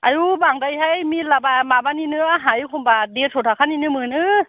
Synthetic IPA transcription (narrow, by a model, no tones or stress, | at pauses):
ʔajubaŋdajɦajmilabamaːbaninɯəɦajkʰombadesʰot̪ʰakʰanːinɯmɯːnɯ